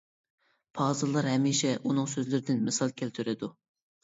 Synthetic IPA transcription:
pʰɑːzɨlˠːɑɾɦɛmːiʃɛʔunɨŋsøzlyɾɪd̪ɪnmɪsɑlˠkʲʰælt̪ʰyɾɪd̪u

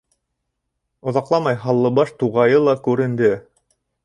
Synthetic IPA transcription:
ŏðɑqlˠɑmɑjɦɑlˠːɤbɑʃt̪uʁɑjɤlˠɑkʉɾɘ̆nd̪ɘ

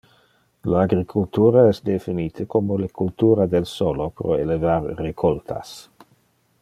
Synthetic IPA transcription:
laaɡɾikʰult̪uːɾaɛsd̪efiniːt̪ʰəkʰomolekʰult̪uːɾad̪elsolopɾo̰elevarːekʰolt̪ʰa̰s

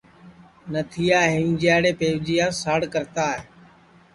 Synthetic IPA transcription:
nət̪ʰɪjaːɦɪmd͡ʒjaːɽeːpeːʋd͡ʒijaːsaːɽkəɾt̪aːɦeː

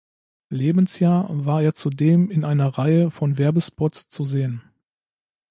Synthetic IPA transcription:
leːbn̩sjaːɐvaːɐeːɐt͡sudeːmɪnʔaɪnɐʁaɪəfɔnvɛɐbəspɔtst͡suzeːən

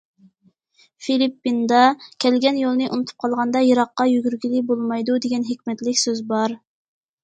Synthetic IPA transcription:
filipːind̪ɑkʲʰɛlɡʲɛnjolˠnɨʔṵnut̪ʰu̥p̚qʰɑlˠʁɑnd̪ɑjɑɾɑqːɑjyɡʲyɾɡʲilɪbolˠmɑjd̪ud̪eɡʲɛnɦekʲmɛt̪lɪkʲsøzbɑɾ

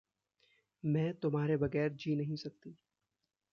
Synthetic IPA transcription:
mɛ̃ːt̪ʊmɦaːɾebɐɣɛːɾd͡ʒiːnɐɦĩsɐk̚t̪iː

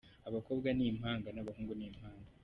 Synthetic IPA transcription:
aβako̞ːbɡanim̥haːŋɡanaβahuːŋɡunimhaːŋɡa

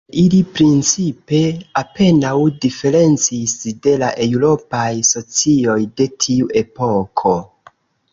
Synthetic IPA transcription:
ilipɾint͡sipe̞ape̞nawdife̞ɾe̞nt͡sisde̞laʔe̞wɾo̞pajso̞t͡sio̞jde̞tʰiuʔe̞po̞kʰo̞

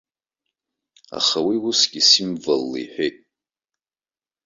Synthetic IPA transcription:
a̰χawiwusɡʲisimvalːiħʷᶣejtʼ

